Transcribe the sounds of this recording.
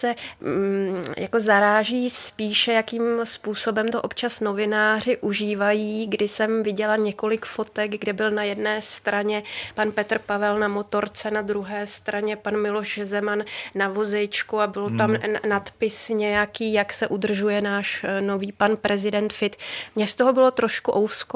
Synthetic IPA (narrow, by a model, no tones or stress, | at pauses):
sɛ | ja̰ko̞zaɾaːʒiːspiːʃɛjakiːmspuːso̞bɛmt̪oʔopt͡ʃasno̞vɪnaːr̝ɪʔuʒiːvajiːɡdɪsɛmvɪɟɛlaɲɛko̞lɪkfo̞t̪ɛɡɡdɛbɪlnajɛdnɛːst̪ɾaɲɛpanpɛt̪r̩pavɛlnamo̞t̪o̞ɾt͡sɛnad̪ɾuɦɛːst̪ɾʔaɲɛpanmɪlo̞ʃzɛmanːavo̞zɛjt͡ʃkuabɪlt̪amnat̪pɪsɲɛjakiːjaksɛʔud̪r̩ʒujɛnaːʃno̞viːpanpɾʔɛzɪdɛnt̪fɪt̪mɲɛst̪o̞ɦobɪlo̞t̪ɾo̞ʃkuʔowsko